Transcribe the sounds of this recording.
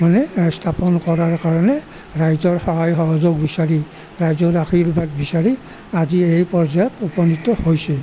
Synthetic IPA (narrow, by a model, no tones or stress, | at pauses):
manɛstʰapɔnkɔɹaɹkaɹɔnɛ | ɹajzɔɹxɔɦajxɔɦɔzɔɡbisaɹi | ɹajzɔakʰiɹbad̚bisaɹi | aziejpɔɹzajɔtupɔnitːɔhojsɛ